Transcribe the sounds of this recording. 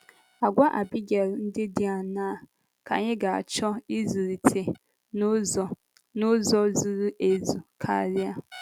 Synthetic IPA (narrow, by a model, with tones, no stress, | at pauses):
a˨ɡʷa˦ʔa˨bi˦ɡe˨ɾn̩˦dɪ˦dɪ˦a˨naː˦˨ | ka̰˨ɲɪ˦ɡa˨a̰˨t͡ʃɔ˦i˦zu˨ɾi˨tʰe˨ | nʊ˦ɔ˨ | nʊ˦zɔ˦zu˨ɾu˦ʔe˨zu˨kʰa̰˨ɾɪ˦a˦